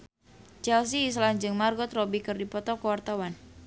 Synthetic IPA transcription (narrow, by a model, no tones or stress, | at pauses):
t͡ʃɛls̬iːs̬land͡ʒɨŋmarɡɔt̪robikɨrdipɔt̪ɔkəwart̪awan